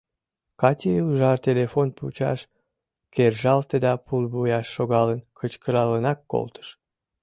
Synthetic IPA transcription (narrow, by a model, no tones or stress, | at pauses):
kɑtʲeuuʒɑrt̪ʲelefonpṵt͡ɕɑ̰ʃ | kerʒɑlt̪əd̪ɑpulbujɑʃːoɣɑlənkʰət͡ɕkəɾɑlənɑkːo̰lt̪ə̥ʃ